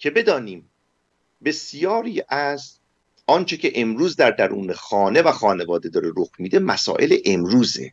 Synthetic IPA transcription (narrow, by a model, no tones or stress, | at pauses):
cʰe̞be̞d̪ɒːniːm | be̞sijɒːɾiːʔæz | ɒːnt͡ʃʰe̞cʰe̞ʔe̞mɾuːzd̪æɾd̪æɾṵːnexɒːne̞væxɒːne̞vɒːd̪e̞d̪ɒːɾeɾoxmiːd̪e̞mæsɒ̰ːʔe̞leʔemɾuːzḛ